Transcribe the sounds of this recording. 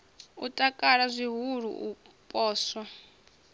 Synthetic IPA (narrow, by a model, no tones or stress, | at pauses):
utʼakʼaɺazʷiɦuɺ̤ṵʔu | pʼɔːswa